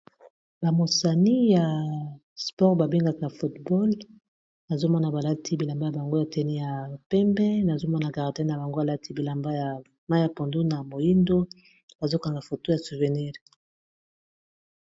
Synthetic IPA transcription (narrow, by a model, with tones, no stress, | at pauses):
ba˨mo˨sa˨ni˦ja˨ | spɔ˦ʁba˨be˦ŋɡa˨ka˨fu˨tbɔ˦l | na˨zo˦mɔ˦na˨ba˨la˦tʰi˦bi˨la˨mba˦ja˨ba˨ŋɡo˦ja˨tɛ˦ni˦ja˨pɛ˦mbɛ˦na˨zo˦mɔ˦na˨ɡa˨ʁa˨dɛ˦n˨a˨ba˨ŋɡo˦a˨la˦tʰi˦bi˨la˨mba˦ja˨ | ma˦ja˨po˨ndo˦na˨mo˨ji˦ndo˦ | b̥a˨zo˦ka˨ŋɡa˨fo˨to˦ja˨su˨vɛ˨ni˦ʁ